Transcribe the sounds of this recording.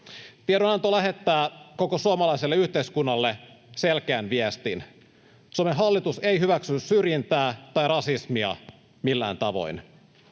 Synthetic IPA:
t̪ieɾonɑnt̪olæɦe̞t̪ːæːko̞kosuomɑlɑjselːeyht̪eiskunːɑlːe̞selk̟eænʋiest̪in | suomeɦɑlːit̪use̞jɦyʋæksynːssyrjint̪æːt̪ɑjrɑsismiɑ̰ | milːæ̰ːnt̪ɑʋo̞̰jn

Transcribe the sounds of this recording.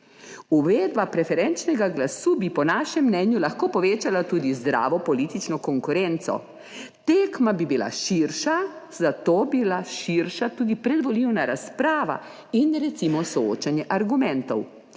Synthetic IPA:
uʋeːd̪bapɾɛfɛɾɛnt͡ʃnɛɡaɡlasubipɔnaːʃɛmːnɛnjulaxkoːpɔʋeːt͡ʃalat̪uːd̪izd̪ɾa̰ːʋɔpɔlit̪it͡ʃnɔkɔŋkuɾɛnt̪sɔ̰ | t̪eːkmabibila̰ʃiɾʃazat̪oːbilaʃiɾʃat̪uːd̪ipɾɛd̪ʋɔliwnaɾaspɾaːʋa̰ | inɾɛt̪simɔsɔo̰ːt͡ʃanjɛʔaɾɡumɛnt̪ɔw

